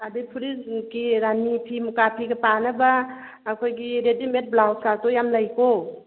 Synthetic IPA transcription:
adipʰuɾisɡiɾanipʰimukapʰiɡapanabaː | kʰojɡiɾedimet̚blawsatɔjamlajko

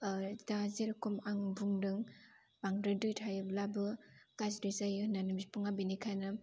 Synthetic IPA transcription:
dazeɾkɔmaŋbuŋdɯŋ | baŋdɯdɯtʰajɯblabɯkazdɯzajnanɯmspɯŋabinikʰajnɯ

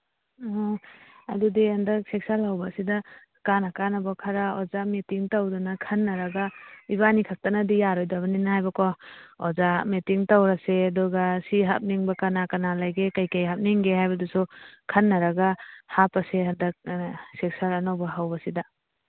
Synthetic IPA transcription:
ɔɐ̰dudihɐndɐk̚sek̚salhawbasidɐ | kanakanabakʰaɾaɔzamitiŋtawdunakʰɐnːɐɾɐɡaiβanikʰak̚tanadijaɾɔjdaβɐninahajbɐkɔɔzametiŋtawɾasedɔɡasiɦa̰p̚niŋbakanakanalajɡekajkajɦap̚niŋɡehajbɐdusukʰɐnːɐɾaɡahapɐseɦɐndɐk̚sek̚salɐnawbɐɦawbɐsidɐ

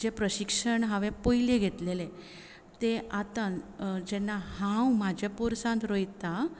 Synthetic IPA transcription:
d͡ʑepɾəɕikʂəɳɦaʋẽpojleɡʱet̪lele | t̪eat̪ad͡ʑɛnːahãwmad͡ʑʱapuɾsãnt̪ɾojt̪a

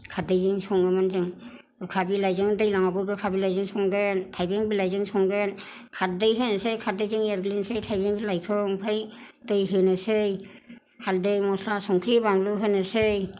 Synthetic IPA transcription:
kʰadɯjzɯŋsɔŋɯmanzɯŋ | ɡɯkʰabilajzɯŋdɯjlaŋabɯɡɯkʰabilajzɯŋsɔŋɡɯntʰajbeŋbilajzɯŋsɔŋɡɯn | kʰat̚dɯjɦɯnɯsɯjkʰat̚dɯjzɯŋeɾɡlinsɯjtʰajbeŋbilajkʰɯŋpʰɾajdɯjɦɯnɯsɯj | haldɯjmɔslasɔŋkʰɾibaŋluɦɯnɯsɯj

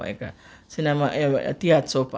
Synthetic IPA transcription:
ḛka̰ | sinemaʔḛt̪iat̪sop

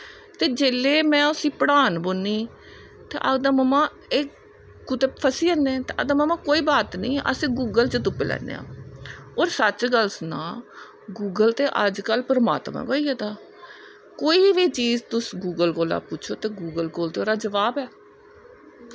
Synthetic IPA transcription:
t̪eːd͡ʒeːleːmɛ̃ːʊsiːpəɽaːnbʊnːiː | t̪ḛːʔəd̪əməmãː | eː | kʊt̪eːpʰəsiːəneɛt̪eːʔə̰d̪əmamãːkoːiːbaːt̪nĩːʔə̰sẽːɡuːɡəlt͡ʃət̪̬ʊpːeːlɛ̰ːnḛːã̰ːoːɾsət͡ʃɡəlsnã̰ː | ɡuːɡəlt̪eːʔəd͡ʒkəlpəɾəma̰ːt̪mã̰ːkoːiːɛt̪aː | koːiːʋiːt͡ʃiːd͡ʒt̪ʊsɡuːɡəlkoːla̰ːpʊt͡ʃʰoːt̪eːɡuːɡəlkoːlt̪eːoːɾaːd͡ʒəʋaːbɛː

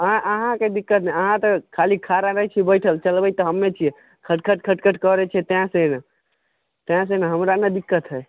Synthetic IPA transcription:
ə̃ʔəɦãked̪ikːət̪nɛəɦãt̪ɔkʰalikʰaɾaɾəɦɛt͡ʃʰibəjʈʰəlt͡ʃəlbəjt̪ɔɦəmːet͡ʃʰijɛ | kʰəʈkʰəʈkʰəʈkʰəʈkəɾɛt͡ʃʰɛt̪eãsena | t̪ãs̬enaɦəmɾanəd̪ikːət̪ɦəj

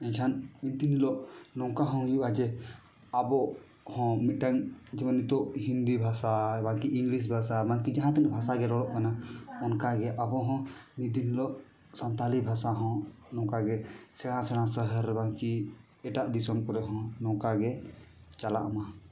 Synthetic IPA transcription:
ɛ̃ɲkʰanmint̪inilɔʔnɔ̃ŋkaɦɔ̃ɦjuʔad͡ʒɛ | abɔʔ | hɔ̃miʈaŋd͡ʒɛmɔnit̪ɔʔhind̪ibʱasabakiiŋɡlis̬bʱasabaŋkid͡ʒaɦãt̪ɛnbʱasaɡɛɾɔɽɔʔkanaɔnkaɡɛʔabɔɦɔ̃mid̪inilɔʔ | sant̪alibʱasaɦɔ̃nɔ̃kaɡɛsɛɽ̃ãsɛɽ̃ãsəɦəɾbaŋki | ɛʈaʔd̪isɔmkɔɾɛɦɔ̃nɔ̃kaɡɛt͡ʃala̰ʔama

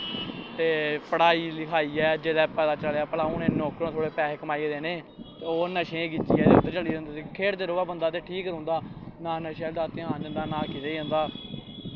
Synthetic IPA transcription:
t̪eːpəɽaːiːlɪkʰaːiːɛːd͡ʒeːlɛːpɛːd̪aːt͡ʃəlːaːpəlaːʊnẽːnoːkɾõːt̪ʰoːɽeːpɛːɦeːkəmaːieːd̪eːneː | t̪eoːnəʃẽːɡɪd͡ʒḭːɛːd̪et̪ːt͡ʃəliːd͡ʒə̃nd̪ːsiːkʰeːɽd̪eːɾoːaːbənd̪aːt̪eːʈʰiːkɾõːnd̪aːnaːnəʃɛːld̪aːt̪ɪãːnd͡ʒənd̪aːnãːkiːt̪eːiːɦə̃ːnd̪aː

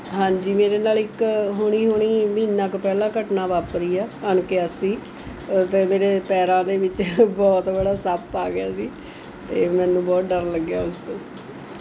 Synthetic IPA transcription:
ɦãːɲd͡ʒiːmeːɾeːnaːlɪkɦoːɽ̃iːɦoːɽ̃iːmiːnːãːkpɛːlãːkəʈnãːʋaːpɾiːɛːəɳkeːəsiː | t̪eːmeːɾeːpɛːɾãːd̪eːʋɪt͡ʃbɔːt̪bəɽaːsəpːaːɡɪjaːsiː | t̪eːmɛ̃ːnũːbɔːt̪̚ɖəɾləɡːjaːʊst̪õː

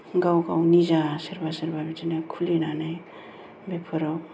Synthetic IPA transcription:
ɡawɡawnizasiɾbasiɾbabitinakʰulinanaj | bepʰɯɾaw

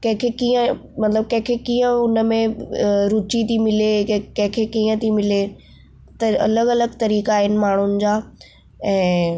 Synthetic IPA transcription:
kɐ̃ɦɪ̃kʰekiːə̃mɐt̪ləb̚kɐ̃ɦɪ̃kʰekiːə̃ʊnəmẽɾʊt͡ɕit̪ʰimɪlekɐ̃ɦɪ̃kʰekiːə̃t̪ʰimɪle | t̪ɐɐ̰ləɡɐləɡt̪ɐɾiːkaːɦɪnɪ̆maːɳ̤ʊnɪ̆d͡ʑaː | ɛ̃ː

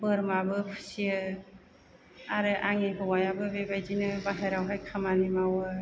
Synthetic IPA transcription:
bɯɾmabɯpʰɯ̥siɯ | aɾɯʔaŋeɦɯwajabɯbebajzinɯbaɦeɾawɦajkʰamanimawɯ

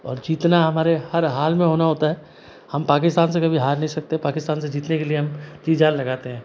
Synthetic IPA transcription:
ɔ̰ːɾd͡ʒiːt̪naɦɐmaːɾehɐɾɦaːlmẽɦoːnaɦoːt̪aɦɛ | hɐmpaːkɪst̪aːns̬ekɐbʱiɦaːɾnɐɦĩsɐk̚t̪eɛpaːkɪst̪aːnsed͡ʒiːt̪nekelieɦɐmt̪iːd͡ʒaːllɐɡaːt̪eɦɛ̃ː

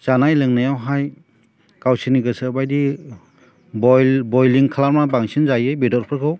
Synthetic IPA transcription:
sanajlɯŋnajawɦaj | kawsiniɡɯsɯbajdi | bɔbɔjliŋkʰalaɾmabaŋsinzajɯjbedɔɾpʰɯɾkʰɯw

